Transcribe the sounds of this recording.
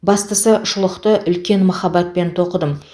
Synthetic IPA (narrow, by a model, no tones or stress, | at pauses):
bɑst̪əsəʊʃʊlˠəqt̪əʔʏlkʲe̞nmɑχɑbɑt̪̚pe̞nt̪ʰo̞qəd̪əm